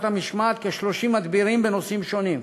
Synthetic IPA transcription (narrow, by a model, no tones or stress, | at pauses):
t̪amiʃmaːt̪keʃloʃimɐd̪biɾimbenosimʃonim